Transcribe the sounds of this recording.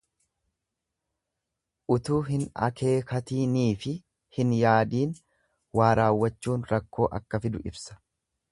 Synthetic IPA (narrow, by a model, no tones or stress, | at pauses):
ʔʊt̪uːɦɪnɐ̰kʰe̞ːkɐt̪iːniːfɪ | hɪnjaːd̪iːn | waːɾaːwːɐt͡ʃːuːnɾɐkːo̞ːʔɐ̰kːɐfɪd̪ʊʔɪbsɐ̥